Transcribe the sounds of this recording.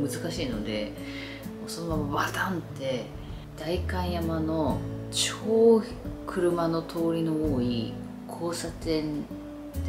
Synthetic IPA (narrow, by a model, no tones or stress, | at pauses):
mɯ̟zɨkaɕiːno̞d̪e̞ | moːsonobamabat̪ãnt̪e̞ | d̪̥aikãĩjamano̞t͡ɕoː | kʰɯ̟ɾɯ̟mano̞t̪ʰo̞ːɾʲino̞oːi | kʰo̞ːsat̪ẽ̞n